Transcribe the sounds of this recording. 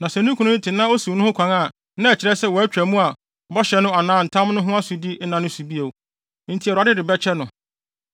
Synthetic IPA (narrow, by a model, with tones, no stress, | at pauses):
nã˨sɛ˨nũ˦kʰũ˨nʊ̃˦ɪ̃˦tʰɪ˨nã˦o˦su˨˦nʊ̃˦hʊ̃˦kʰʷã˨ŋa˦˨ | nã˦˨t͡ɕʰɪ˨ɾɛ˦sɛ˦˨wɔ˨æ˦t͡ɕᶣæ˨mũ˦a˨ | bɔ˦ɕɛ˨˦nʊ̃˦a˨nãː˦n̩˨tʰã˦mnʊ̃˦ɦʊ̃˦a˦su˨di˦nã˨nʊ̃˦su˨bi˦e˨˦ | n̩˦tʰi˨ɛ˨ɾa˨˦dɪ˦dɪ˨bɛ˦t͡ɕʰɛ˦nʊ̃˨